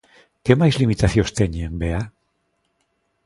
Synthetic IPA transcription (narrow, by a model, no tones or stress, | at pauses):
ke̞majzlimit̪aθio̞st̪eɲiembe̞a